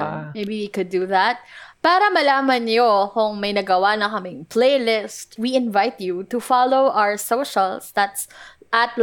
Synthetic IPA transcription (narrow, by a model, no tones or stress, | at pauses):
mejbiwikʊd̪ːuðat̪̚paːɾɐmɐlaːmɐnjokʊŋmɐjnɐɡɐwanɐŋkɐmɪŋplelɪst̪wiʔɪ̃nvajt̪jut̪ufalowʔawə˞soʊʃɐlˠsd̪at̪s | ʔɐt̪l